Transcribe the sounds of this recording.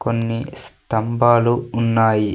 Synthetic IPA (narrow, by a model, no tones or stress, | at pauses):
ko̞nːist̪ɐmbaːluːnːaːji